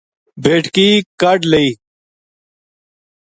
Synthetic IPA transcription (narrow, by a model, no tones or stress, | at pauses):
beːʈkiːkɐɖleiː